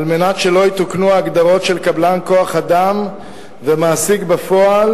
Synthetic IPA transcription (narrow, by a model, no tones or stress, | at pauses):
almenatʃe̞lo̞jit̪uknuaːɡd̪aʁo̞tʃe̞lkablanko̞aχadam | vemaːsiɡbafo̞al